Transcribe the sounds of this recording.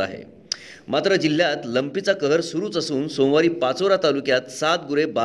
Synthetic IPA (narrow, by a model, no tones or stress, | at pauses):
a̰ɦḛ | mat̪ɾəd͡ʑil̤ːjat̪ləmpit͡sakəɦəɾsuɾuːt͡səsuːnsõw̃ʋaɾiːpat͡soɾat̪alukjat̪sat̪̚ɡuɾeba